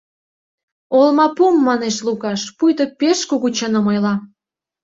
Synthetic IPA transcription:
olmɑpumːɑneʃluɣɑʃpujt̪ŏpeʃkuɣut͡ɕɑnə̆mɤjlɑ

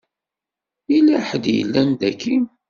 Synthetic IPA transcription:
ilæħəd̪jə̰lːænd̪ækːin

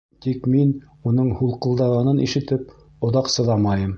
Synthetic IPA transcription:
t̪ikmin | unɤɴhulˠqɤ̆lˠd̪ɑʁɑnɤnʔiʃɘ̆t̪ɘp̚ | ŏðɑqsɤ̆ðɑmɑjɤm

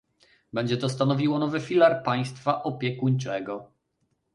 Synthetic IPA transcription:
bɛɲd͡ʑɛt̪ɔst̪anɔvʲiwɔnɔvɘfʲilaɾpaj̃st̪faʔɔpʲjɛkuɲt͡ʂɛɡɔ

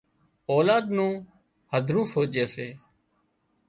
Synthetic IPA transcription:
oːlaːd̪nũː | həd̪ʱɾũːsoːt͡ʃeːseː

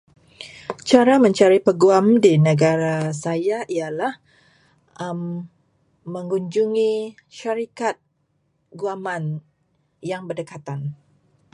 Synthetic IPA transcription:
t͡ʃaɾamə̃ɲt͡ʃaɾipəɡuamdinəɡaɾasajaʔialah | əmː | əŋuɲd͡ʒuŋi | ʃaɾikat̪̚ | ɡuaman | jaŋbərdəkat̪an

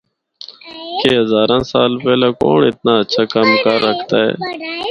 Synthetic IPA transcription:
keːɦəzaːɾãːsaːlpeːlãːko̰ːɳɪt̪̚naːətːʃʰaːkamkəɾːəkʰt̪aːɦɛ̰ː

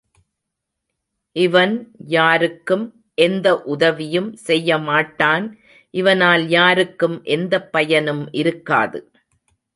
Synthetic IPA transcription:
ʔɪʋɐnjaːɾɯkːɯm | ʔɛnd̪ɐʔʊðɐʋɪjɯmsɛjːɐmaːʈːaːn | ʔɪʋɐnaːljaːɾɯkːɯmʔɛnd̪ɐpːɐjɐnɯmʔɪɾɯkːa̰ːðɯ̰

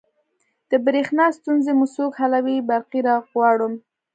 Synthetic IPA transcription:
d̪̥əbɾexnɑst̪unzemusukhalawibaɾqiɾɑɣwɑɽum

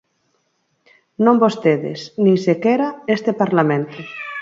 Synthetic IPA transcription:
nõmbost̪eðɪ̰snĩŋsekeɾaest̪epaɾlamẽnt̪ʊ

